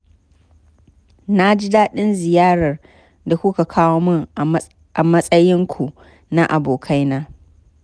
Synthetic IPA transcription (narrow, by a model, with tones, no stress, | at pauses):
na˦d͡ʒi˦daː˦ɗɪ˦nzɪ˨jaː˦ɽɐ˨r | da˨kʷʊ˦ka˨kʰaː˦woː˦mʊ˦ŋ | ʔa˨mɐ˦sʼɐ˦jɪ˦ŋkʷʰu˨ | na˦ʔa˨boː˨kʰa˦jnaː˦